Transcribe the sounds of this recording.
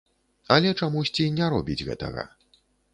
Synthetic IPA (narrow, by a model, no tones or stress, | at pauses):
ɐlʲɛt͡ʂamusʲt͡sʲinʲaɾɔbʲid͡zʲɣɛ̰t̪ɐ̰ɣɐ̰